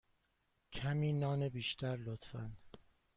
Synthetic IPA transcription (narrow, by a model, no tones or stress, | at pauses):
cʰæmiːnɒːnebiːʃt̪ʰæɾlot̪fæn